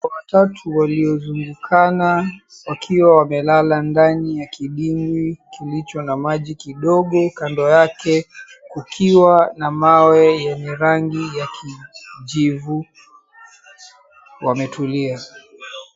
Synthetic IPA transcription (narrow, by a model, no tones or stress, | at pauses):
watatʰuwaliɔzuŋɡukʰana | wakʰiwawamɛlalandanijakiɗiŋɡikilit͡ʃɔnamaʄikiɗɔɠɔkandɔjakɛ | kukʰiwanamawɛjɛɲɛɾaŋɡijakʰid͡ʒivu | wamɛtʰulia